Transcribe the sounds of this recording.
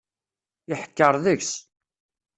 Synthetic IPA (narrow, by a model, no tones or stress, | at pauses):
ɪħə̥kːəɾˤðəçs